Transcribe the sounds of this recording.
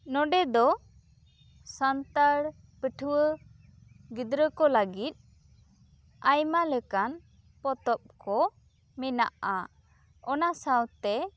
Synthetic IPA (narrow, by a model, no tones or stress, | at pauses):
nɔɖɛd̪ɔ | sant̪aɽ | pəʈʰəwə | ɡid̪ɾəkɔləɡit̪̚ˀ | ajmalɛkan | pɔt̪ɔp̚kʰɔ | mɛna̰ʔa | ɔnasawt̪ɛ